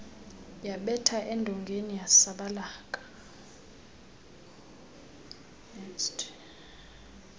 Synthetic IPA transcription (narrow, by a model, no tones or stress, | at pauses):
jaɓɛtʰaʔɛndʱɔŋɡʱenijasaɓalaːkʼḁ | t